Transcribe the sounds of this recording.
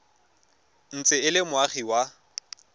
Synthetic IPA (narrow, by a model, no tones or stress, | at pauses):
n̩t͡sʼɪɪlɪmʊaχiwa